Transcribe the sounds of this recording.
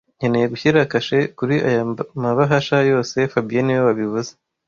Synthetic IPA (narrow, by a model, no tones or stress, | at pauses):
ɲenejeɡuçiɾakaʃe̞kuɾiʔa̰jamaβaɦaʃajo̞ːsefabieniwowaβiβuze̥